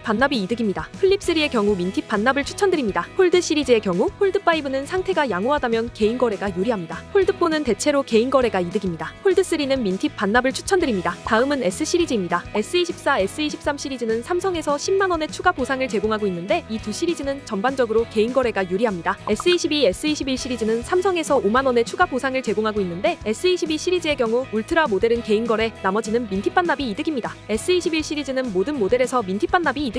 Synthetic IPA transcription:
p͈anːabiːdɯɡimɲidaɸʰɯɭːip̚s͈ɯɾie̞kjʌŋumintʰip͈̚anːabɯɭt͡ɕʰu̥t͡ɕʰʌndɯɾimɲidaɸoɭdɯɕ͈iɾid͡ʑie̞kjʌŋuɸoɭdɯp͈aibɯnɯnsʰaŋtʰe̞ɡajaŋoɦadamjʌnke̞inɡʌɾe̞ɡajuɾiɦamɲidaɸoɭdɯp͈onɯnte̞t͡ɕʰe̞ɾoke̞inɡʌɾe̞ɡaidɯɡimɲidapoɭdɯs͈ɯɾinɯnmintʰip̚p͈anːabɯɭt͡ɕʰu̥t͡ɕʰʌndɯɾimɲidataɯmɯne̞s͈ɯɕ͈ʰiɾid͡ʑiːmɲidae̞s͈ɯiɕʰip̚s͈ae̞s͈ɯiɕʰip̚s͈amɕ͈iɾid͡ʑinɯnsʰamsʰʌŋe̞sʰʌɕʰimːanʌne̞t͡ɕʰuɡaposʰaŋɯɭt͡ɕe̞ɡoŋɦaɡoinːɯnde̞ituɕ͈ʰiɾid͡ʑinɯnt͡ɕʌmband͡ʑʌɡɯɾoke̞inɡʌɾe̞ɡajuɾiɦamɲidae̞s͈ɯiɕʰibies͈ɯiɕʰibiɭɕ͈iɾid͡ʑinɯnsʰamsʰʌŋe̞sʰʌomanʌne̞t͡ɕʰuɡaposʰaŋɯɭt͡ɕe̞ɡoŋɦaɡoinːɯnde̞e̞s͈ɯiɕʰibiɭɕ͈ʰiɾid͡ʑie̞kjʌŋuuɭtʰɯɾamode̞ɾɯnke̞inɡʌɾe̞namʌd͡ʑinɯnmintʰip͈anːabiːdɯɡimɲidae̞s͈ɯiɕʰibiɭɕ͈iɾid͡ʑinɯnmodɯnmode̞ɾe̞sʰʌmintʰip͈anːabiːdɯ

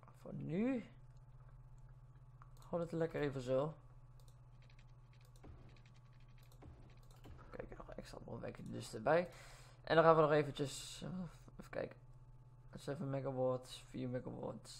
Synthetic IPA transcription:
fo̰ny | hɔdətəlɛkərivəzɪlˠ | kɛ̰jkɔ̰xɛ̰kstra̰ʋo̰lˠʋɛ̰kʰəədøstəbɛj | ʔɛ̰ndɔxaːʋənɔχeːvənt͡ʃəs | fkɛ̰jk | sɛvənmɛɡawɔɹtsfiːɹmɛɡawɔ̰ts

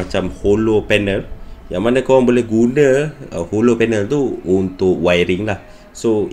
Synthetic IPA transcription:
at͡ʃamholopɛnəljaŋmanəkawaŋbolɛhɡunəəholopɛnəlt̪uːnt̪ʊk̚wajɾiŋlah | so

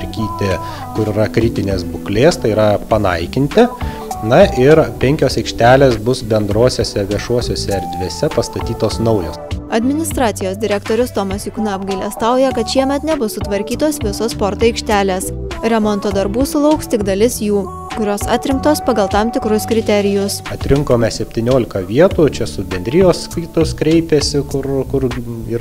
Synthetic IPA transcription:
ɾʲkʲiːt̪ʲɪ | kʊɾɪɾɐkɾʲɪt̪ʲɪnʲeːsbʊklʲeːst̪ɐɪiɾɐpɐnɐ̰ɪkʲɪnʲt̪ʲɪ | nɐʔɪɾpʲɛŋʲkʲoːsɛɪkʃʲt̪ʲæːlʲeːsbʊsbʲɛnd̪ɾoːsʲoːsʲɛʋʲiɛʃuɔsʲoːsʲɛɛɾʲd̪ʲʋʲeːsʲɛpɐst̪ɐt̪ʲiːt̪oːsnɐʊjoːsɐd̪ʲmʲɪnʲɪst̪ɾɑːt̪sʲɪjoːsʲd̪ʲɪɾʲɛkt̪oːɾʲʊst̪oːmɐsjuknɑɐbɡɐɪlʲɛːst̪ɑˑʊjɛkɐt̪ʃʲiɛmʲɛt̪nʲɛbʊsːʊt̪ʋɐɾʲkʲiːt̪oːsʋʲɪsoːsspɔɾt̪oɪkʃʲt̪ʲæːlʲeːsɾʲɛmɔnt̪oːd̪ɐɾbuːsʊlˠɐʊkst̪ʲɪɡd̪ɐlʲɪsjuː | kʊɾʲoːsɑːt̪ʲɾʲɪŋkt̪oːspɐɡɐlˠt̪ɑmt̪ʲɪkɾʊskɾʲɪt̪ʲɛɾʲɪjʊsɐt̪ʲɾʲɪŋkoːmʲɛsʲɛpʲt̪ʲiːnʲoːlʲɪkɐʋʲiɛt̪uːt͡ʃʲɛsʊbʲɛnʲd̪ʲɾʲɪjoːsːkɐɪt̪ʊskɾʲɛɪpʲesʲɪkʊɾkʊɾi

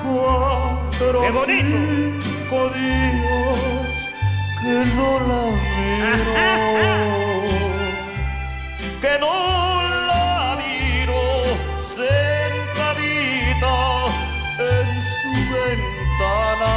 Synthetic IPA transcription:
a | eɾoeoni | koðiɣo | kenolamiɾo | kenolaβiɾo | seɾt̪aβiða | en | suβent̪ana

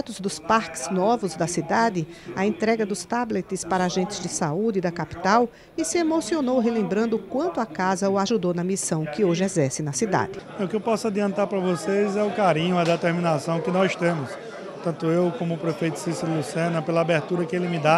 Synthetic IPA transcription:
t̪ʊzd̪ʊspaɾkɪ̥z̥nɔvʊzd̪ɐsid̪ad̪ɪɐẽnt̪ɾɛɡɐd̪ʊst̪ablet̪ɪspaɾɐaʒẽnt̪ɪzd͡ʒɪsaud͡ʒ̪ɪd̪ɐkapi̥t̪aw | ɪsɪemosionowɦelẽmbɾɐ̃nd̪ʊkwɐ̃nt̪ʊakazɐʊaʒud̪ownɐmisɐ̃w̃kɪoʒɪɛzɛɾsɪnɐsid̪a̰d̪ɪ | ɛʊkɪewpɔsʊad̪iɐ̃nt̪aɾpɾɐvosejzɛʊkaɾĩɲʊɐd̪et̪eɾmĩnasɐ̃w̃kɪnɔzɪʃt̪ẽmʊs | t̪ɐ̃nt̪ʊewkõmʊːpɾefejt̪ʊ̥sisɐlusiɐ̃nɐpelɐabeɾt̪uɾɐkɪelɪmɪd̪a

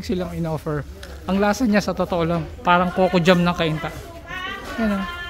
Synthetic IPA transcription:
ɡsɪlaŋɪnoːfɛɹ | ʔɐŋlaːsɐnɲasɐt̪ot̪oʔolaŋpaːɾɐŋkokod͡ʒamnɐŋkɐʔint̪aʔ | ɡɐno̞n

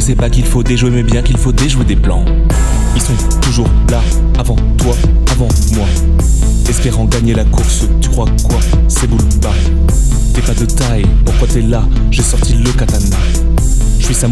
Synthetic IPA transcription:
əsɛpakilfod̪eʒwemɛbjɛ̃kilfod̪eʒwed̪eplɑ̰̃ | ilsɔ̃ | t̪uʒuʁlaː | vɑ̃t̪waː | vɑ̃ | mwa | ɛspɛʁɑ̃ɡaɲelakuʁs | t̪y̥kχwakwa | sebulba | t̪yɛpad̪ət̪ajpuʁkwat̪yɛla | ʒɛsɔʁt̪iləkat̪ana | ʒəsɥisɛ̃

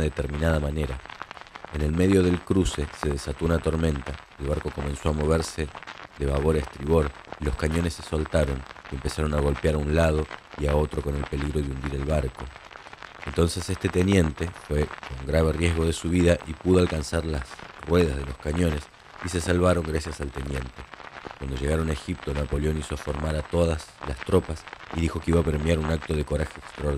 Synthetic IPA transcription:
ðet̪e̞ɾmĩnað̞amane̞ɾa | ene̞lme̞ðjo̞ðe̞lkɾuse̞se̞ð̞esat̪ounat̪o̞ɾmẽ̞nt̪a | elβaɾko̞ko̞mẽ̞nso̞amo̞β̞e̞ɾse̞ðe̞βaβo̞ɾest̪ɾiβo̞ɾ | ilo̞skaɲo̞nesːe̞solt̪aɾo̞nie̞mpe̞saɾo̞naɣ̞o̞lpjaɾaunlað̞o̞iao̞t̪ɾo̞ko̞ne̞lpe̞liɣɾo̞ðeund̪iɾe̞lβaɾko̞ | e̞nt̪o̞nse̞sest̪e̞t̪e̞nje̞nt̪e̞fwe̞ko̞ŋɡɾaβe̞rje̞zɣo̞ð̞e̞suβ̞iðaʔipuðo̞alkansaɾlasrwe̞ð̞azðe̞lo̞skaɲo̞ne̞s | ise̞salβaɾo̞ŋɡɾasjasalt̪e̞njẽ̞nt̪e̞kwand̪oʒe̞ɣ̞aɾo̞naexip̚t̪onapo̞leo̞nisoafo̞ɾmaɾat̪o̞ðaslast̪ɾo̞pasiðixo̞keiβapeɾmjaɾunak̚t̪o̞ð̞eko̞ɾaxeːkst̪ɾoɾ

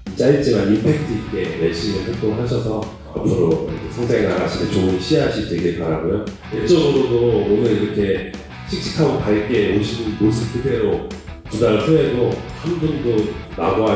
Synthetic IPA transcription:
t͡ɕ͈ait͡ɕ͈imanipʰe̞k̚t͈ʰɯik͈e̞meɭɕ͈imɯsek̚t͈oŋɯɭɦaɕʰʌsʰʌ | a̰pʰɯɾokesʰʌŋsʰeŋnaɡaɕʰidet͡ɕouɕʰiɦaɕʰint͡ɕeɡiɾɭpaɾaɡojo | jeɭt͡ɕ͈ʌɡɯɾodoonɯiɾʌkʰe̞ | ɕʰik̚t͡ɕ͈ʰi̥kʰaɡopaɭk͈eoɕʰinɯnmos̬ʰɯp̚k͈ɯde̞ɾotudaɾpʰeɦedohanbundonaɡoɦa

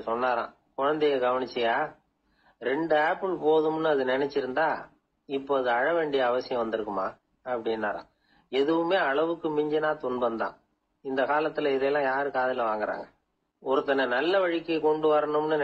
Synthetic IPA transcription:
sɔnːaːɾã̰ː | kɔɻɐnd̪ɛjɐɡɐʋɐɳɪt͡ʃːɐjaː | ɾɛɳɖɯaːpːɪlpoːðɯmnːɯɐðɯnɪnɛt͡ʃːɪɾɯnd̪aː | ɪpːoɐðɯɐɻɐʋeːɳɖɪjɐːʋɐsɪjɐ̃ʋɐnd̪ɯɾɯkːɯma̰ː | ɐpːɐɽɪnːaːɾã̰ː | ɛðɯʋɯmeːɐɭɐʋɯkːɯmɪɲd͡ʒɐnãːt̪ʊɳbɐnd̪ã̰ː | ɪnd̪ɐkaːlɐt̪ːɪlɐɪðɛjlːãːjaːɾɯkaːðɪlɐʋaːŋɡɐɾa̰ːŋɡɐ | ɔɾɯt̪ːɐnɐnɐlːɐʋɐɻɪkːɐkɔɳɖɯʋaːɾɐnɯmnːɯn

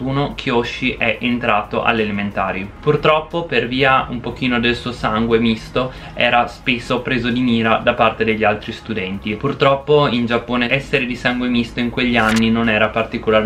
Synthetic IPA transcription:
uːnokʰjoʃiʔɛʔent̪ɾaːt̪oʔa̰lːelement̪aːɾjopurt̪ɾɔpːoperviːaumpok̟iːnod̪elsuːosaŋɡwemist̪o | ɛ̰ːɾaspesːopɾeːzod̪imiːɾad̪apart̪ed̪eʎːialt̪ɾist̪ud̪ɛnt̪ipurt̪ɾɔpːoind͡ʒapːoːneʔɛsːeɾed̪isaŋɡwemist̪oiŋkweʎːianːinonɛːɾapart̪ikola

